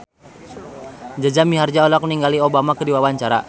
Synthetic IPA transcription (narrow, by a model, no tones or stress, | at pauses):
d͡ʒad͡ʒamiɦard͡ʒaɔlɔk̚niŋɡaliobamakədiwawaɲt͡ʃaɾa̰